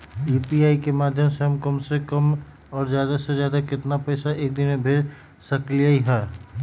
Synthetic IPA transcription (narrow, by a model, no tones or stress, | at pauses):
iːpiaːikemaːd̪ʱjəmseɦɐmkəmsekəm | ɔːɾzjaːd̪asezjaːd̪akɪt̪napəɪsaʔeːk̚d̪ɪnmẽbʱeɾ | sɐklijaːiɦɛː